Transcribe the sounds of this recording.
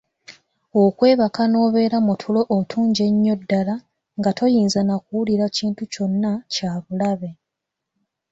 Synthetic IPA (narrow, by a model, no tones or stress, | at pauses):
okwe̞ːβakano̞ːβe̞ːɾamutʰulo̞ʔːtʰuːɲɟe̞ɲːo̞dːala | ŋɡatʰo̞jiːnzanakuwuliɾaciːntuco̞nːacaːβulaβe̞